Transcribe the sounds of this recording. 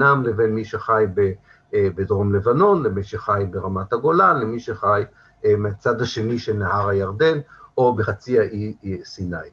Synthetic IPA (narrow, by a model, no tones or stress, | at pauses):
namlevenmiʃeχajbe | bed̪ʁo̞mlevano̞nlemiʃeχajbeʁamat̪haɡo̞lalemiʃeχaj | meat͡sad̪haʃe̞niʃenahaʁhajaʁd̪e̞no̞beχat͡siaʔisinaj